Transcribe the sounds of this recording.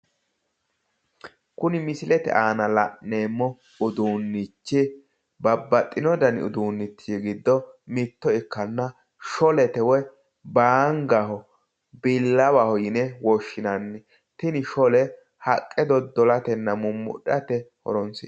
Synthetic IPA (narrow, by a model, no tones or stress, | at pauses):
kʊnɪmɪsɪlɛt̪ɛ̰ʔaːnɐlɐʔːe̞ːmːɔ | ʊd̪uːnːɪt͡ʃːɪ | bɐbːɐt̪ʼːɪnɔd̪ɐnɪ̰ʊ̰d̪uːnːɪt̪ːijɡɪd̪ːɔmɪt̪ːɔɪkːɐnːɐ | ʃɔlɛt̪ɛwɛ | baːŋɡɐɦɔ | bɪlːɐwahɔjɪnɛwɔʃːɪnɐnːɛ | t̪ɪnɪʃɔlɛ | hɐkʼːɛd̪ɔd̪ɔlɐt̪ɛnːɐmʊmːʊ̰ɗɐt̪ɛhɔ̰ɾɔnsɪ